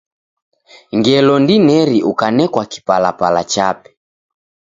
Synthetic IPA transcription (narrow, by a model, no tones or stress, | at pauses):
ŋɡɛlɔndinɛɾiʔukanɛkwaki̥palapalat͡ʃapɛ̥